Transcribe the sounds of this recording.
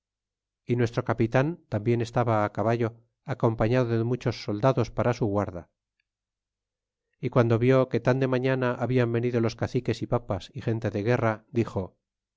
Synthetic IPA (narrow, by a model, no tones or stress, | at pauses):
inwe̞st̪ɾo̞kapit̪ant̪ambje̞ne̞st̪aβaːkaβaʝo̞ | ako̞mpaɲaðoðemut͡ʃo̞sːo̞ld̪aðo̞spaɾasuɣwaɾða | ikwand̪o̞βjo̞ke̞t̪and̪e̞maɲanaʔaβiambe̞niðo̞lo̞skaθike̞sipapasixe̞nt̪e̞ðeɣe̞rad̪ixo̞